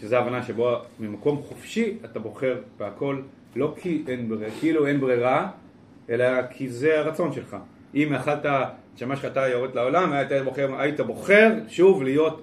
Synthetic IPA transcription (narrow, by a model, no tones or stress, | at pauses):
ʃezeavanaʃebomimako̞mχofʃiatabo̞χe̞ʁb̥eakʰo̞lː | o̞kʰiʔenbʁekeilue̞nbʁiʁa | e̞lakʰizeaʁat͡so̞nʃe̞lχa | ʔimaχalta | ʃamaʃatajoʁed̪lao̞lamtaboχeʁaitabo̞χe̞ʁʃuvlijo̞t